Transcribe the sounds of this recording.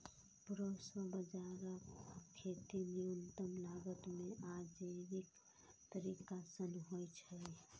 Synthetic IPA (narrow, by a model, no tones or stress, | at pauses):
pɾoswəbəd͡ʒaɾəkkʰet̪inijunt̪əmlaɡət̪meʔad͡ʒeʋik | t̪əɾikasənɦojt͡ʃʰəi